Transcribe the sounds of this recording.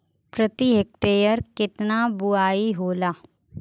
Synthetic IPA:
pɾət̪iɦek̚ʈeːjəɾkɪt̪nabʊaːiɦoːlaː

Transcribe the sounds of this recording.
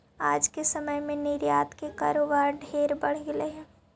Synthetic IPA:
aːd͡ʒkesəməjmẽnɪɾjaːt̪keka̰ːɾoːbaːɾɖʱeːɾbɐɽ̤ɡɪleɦɛ̃ː

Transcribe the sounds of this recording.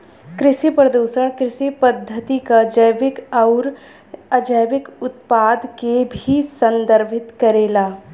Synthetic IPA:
kɾɪʃipɾəd̪oːʃəɽ̃kɾɪʃipəd̪ʱːət̪ikad͡ʒəjʋɪkɐʊɾ | əd͡ʒəjʋɪkʊt̪̚paːd̪kebʱisə̃nd̪əɾbʱɪt̪kɐɾeːlaː

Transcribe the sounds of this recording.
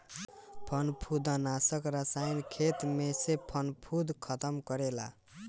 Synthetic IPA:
pʰʌnpʰud̪ʌnasʌkrasajnkʰet̪mesepʰʌnpʰud̪kʰʌt̪ʌmkʌɾela̰

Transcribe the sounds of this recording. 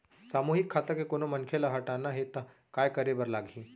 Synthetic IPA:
saːmuːɦɪkʰːaːt̪akekoːnomɐnkʰelaɦɐʈaːnaɦet̪a | kaːjkɐɾebəɾlaːɡɦĩː

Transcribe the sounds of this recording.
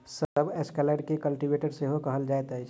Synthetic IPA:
səbeskɛleːɖkekəlʈiʋeːʈeɖseɦokɐɦəld͡ʒaːet̪aɦɛ

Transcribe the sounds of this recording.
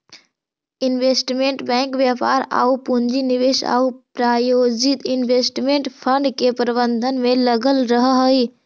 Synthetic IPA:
inʋesʈmeɳʈbɛ̃ŋkʋjapa̰ɾa̰ːupund͡ʒiniʋeʃa̰ːupɾajod͡ʒit̪inʋesʈmeɳʈpʰəɳɖkepəɾbənd̪ʱənmẽləɡəlɾəɦəɦəi

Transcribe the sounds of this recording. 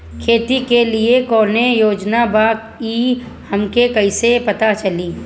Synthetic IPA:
kʰeːt̪ikeliekɔːnejoːd͡ʒnaba | i | hɐmkekɐisepɐt̪at͡ʃɐliː

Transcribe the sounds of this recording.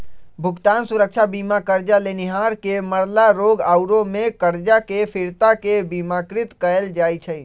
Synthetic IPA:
bʱukt̪ansuɾək̚t͡ʃʰabimakəɾd͡ʒaleniɦaɾkeməɾlaɾoɡaʊɾomekəɾd͡ʒakepʰiɾt̪akebimakɾit̪kəeld͡ʒajt͡ʃʰəj

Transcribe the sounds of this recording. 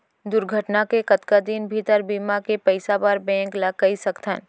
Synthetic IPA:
d̪ʊɾɡʱəʈnakekɐt̪kad̪iːnbʱit̪əɾbiːmakepɐɪsabaɾbɛ̃ːŋklɐkːəisɐkt̪ʰən

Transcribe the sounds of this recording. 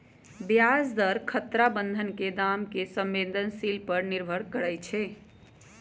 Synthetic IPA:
bjasd̪əɾkʰət̪ɾabənd̪ʱənked̪amkesəmːend̪ʱənsilpəɾniɾbʱəɽkəɾəjt͡ʃʰɛ

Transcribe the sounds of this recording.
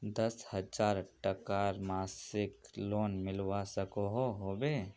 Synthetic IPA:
d̪ɐshɐd͡ʒaːɾʈəkaɾmaːsɪkloːnmɪlwasəkoɦoɦoːbeː

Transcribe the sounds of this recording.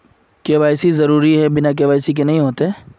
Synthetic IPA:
keʋaːɪsizɐɾuːɾiɦɛbɪnak̬eːʋaːɪsik̬enɐɦĩɦoːt̪eɦɛː

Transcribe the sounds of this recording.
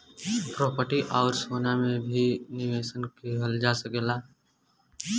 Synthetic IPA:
pɾɔːpəʈiʔɔːɾsoːnamẽbʱinɪʋeːʃənkeɦəld͡ʒaːsəkelaː

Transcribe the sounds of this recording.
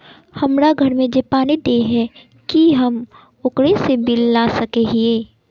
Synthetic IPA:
hɐmɾaɡʱɐɾmẽd͡ʒepaːnid̪eɦɛ | kiɦɐm | ʊkɽesebɪlːasɐkeɦieː

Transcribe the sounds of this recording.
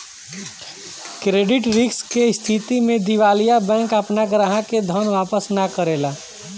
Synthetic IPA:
kɾeːɖɪʈɾɪkskest̪ʰit̪imẽd̪iʋaːlijabɛ̃ːŋkɐpnakɾaɦãked̪ʱənʋaːpəsnakəɾeːlaː

